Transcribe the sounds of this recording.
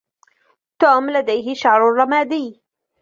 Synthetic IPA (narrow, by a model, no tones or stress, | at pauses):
t̪uːmlad̪ajɦɪʃaʕɾˤʊrˤːɑmaːd̪iː